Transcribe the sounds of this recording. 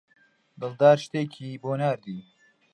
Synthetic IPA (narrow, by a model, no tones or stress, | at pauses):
d̪ɨld̪aːɾʃt̪eːkʰiːboːnaːɾd̪iː